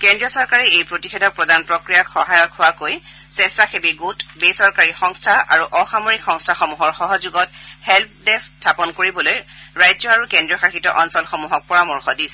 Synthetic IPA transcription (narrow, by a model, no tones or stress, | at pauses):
kɛndɹijɔsɔɹkaɹɛejpɹotixedʱɔk̚pɹɔdanpɹɔkɹijakxɔɦajɔkhʊwakoj | sɛsaxebiɡutbesɔɹkaɹixɔŋstʰaa̰ɹuʔɔxamoɹikxɔŋstʰaxɔmuɦɔɹxɔɦɔzuɡɔthɛlp̚ʰdɛstʰapɔnkoɹibɔlojɹajzɔaɹukɛndɹiɔxaxitɔ̰ʔɔnsɔlxɔmuɦɔk̚pɔɹamɔɹxɔdisɛ